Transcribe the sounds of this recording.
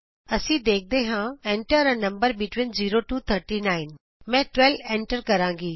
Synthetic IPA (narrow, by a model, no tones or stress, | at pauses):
ɐsĩːd̪eːk̚ʰd̪eɦãːẽːɳʈəɾənɐ̃mbəɾbɪʈwɪ̃nziːɾoʈuːt̪ʰəɾʈiːnaːɪn | mɛ̃ːʈʋɛlɛ̃ːɳʈəɾkɐɾãːŋɡiː